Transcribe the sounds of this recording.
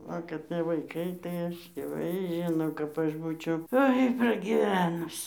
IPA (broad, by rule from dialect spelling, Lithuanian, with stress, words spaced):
ˈʋɐ kɐt ˈtʲiɛ ʋɐɪˈkɐɪ tɐɪ ˈɐʃ dʲiɛˈʋɐɪ ˈʒʲɪnoː kɐp ˈɐʃ ˈbuːt͡ʃʲɛʊ ˈoːɪ prɐɡʲɪˈʋʲæːnʊs